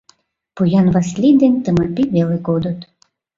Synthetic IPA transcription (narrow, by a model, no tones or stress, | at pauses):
pujɑnβɑslʲid̪ent̪əmɑpiβeleɡod̪ət̪